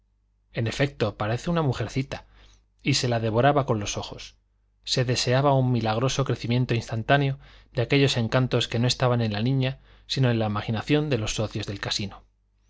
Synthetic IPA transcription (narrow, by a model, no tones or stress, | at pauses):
e̞ne̞fe̞k̚t̪o̞paɾe̞θe̞unamuxe̞ɾθit̪a | ise̞laðe̞βo̞ɾaβako̞nlo̞so̞xo̞sː | e̞ðe̞se̞aβaumːilaɣ̞ɾo̞so̞kɾe̞θimje̞nt̪oinst̪ant̪aneo̞ðeake̞ʎo̞se̞ŋkant̪o̞ske̞no̞e̞st̪aβanẽ̞nlanĩɲa | sino̞e̞laimaxinaθjo̞nd̪e̞lo̞sːo̞θjo̞zðe̞lkasino̞